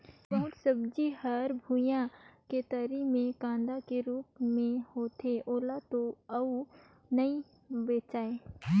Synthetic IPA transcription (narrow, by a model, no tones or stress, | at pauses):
bɐɦʊt̪səbd͡ʒihəɾbʱujãket̪əɾimẽkãːnd̪akeɾuːpmẽhoːt̪eʔoːlat̪oɐu | nɐĩ | beːt͡ʃaːe